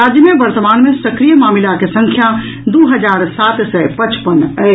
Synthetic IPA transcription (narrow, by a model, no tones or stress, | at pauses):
aːd͡ʒjəmẽbɐɾt̪əmaːnmẽsɐkɾijəmaːmɪlakesəɐ̃ŋkʰja | d̪oːɦəd͡ʒaːɾsaːt̪sɛpɐt͡ʃpənə